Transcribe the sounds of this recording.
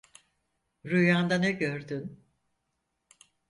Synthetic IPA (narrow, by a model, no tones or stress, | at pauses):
ɾujand̪anɛɟøɾd̪yn